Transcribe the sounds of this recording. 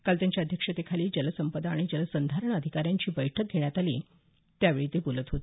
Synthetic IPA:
kalt̪jaɲt͡ɕjaəd̪ʱjəkʂət̪ekʰaliːd͡ʑələsəmpəd̪aːɽ̃id͡ʑələsənd̪ʱaɾəɳ̃əd̪ʱikaɾjaɲt͡ɕiːbəjʈʰək̚ɡʱeɳ̃jat̪alḭː | t̪jaʋeɭiːt̪epulət̪ɦot̪

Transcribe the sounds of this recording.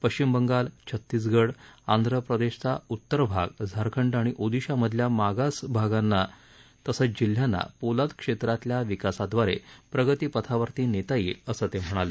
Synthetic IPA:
pəɕt͡ɕimbəŋɡalt͡ɕʰət̪ːiːsɡəɽand̪ʱɾəpɾəd̪eɕt͡saut̪ːəɾbʱa̰ɡd͡zʱəɾkʰəɳɖaɽ̃iʔod̪iɕaməd̪ʱljamaɡasbʱaɡanːa | t̪əsəd͡ʑil̤jana̰polat̪kʂet̪ɾat̪ljaʋikasad̪ʋaɾḛpɾəɡət̪iːpət̪ʰaʋəɾt̪iːnet̪ailəsəːt̪em̤əɽ̃ale

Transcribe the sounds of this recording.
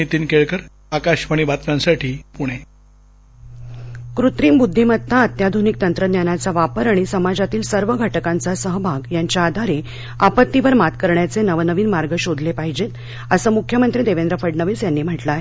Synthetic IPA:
it̪iːnkeɭkəɾ | akaɕʋaɽ̃ibat̪nãnsaʈʰiːpuɽ̃e | kɾut̪ɾiːmbud̪ʱːimət̪ʰːaət̪jad̪ʱunik̚t̪ənt̪ɾəd̪janat͡saʋapəɾaɽ̃isəmad͡zat̪iːlsəɾʋəɡʱəʈəkant͡sasəɦbʱaɡjaɲt͡ɕjaːd̪ʱaɾe | apət̪ːiʋəɾmat̪kəɾɳjat͡senəʋnəʋiːnmaɾɡəɕod̪ʱlepaɦid͡ʑet̪ | əsəːmukʰjəmənt̪ɾiːd̪eʋend̪ɾəfəɖɳəʋiːsjanːiːm̤əʈlaɦe

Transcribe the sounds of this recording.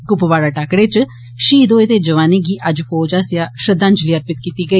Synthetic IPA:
ɡʊpʋaːɽaːʈaːkɽeːt͡ʃ | ʃiːd̪oːeːt̪eːd͡ʒəʋaːneːɡiːʔəd͡ʒfʰoːd͡ʒaːsɪjaːʃəd̪ãːnd͡ʒliːəɾpɪt̪kiːt̪iːɡəiː

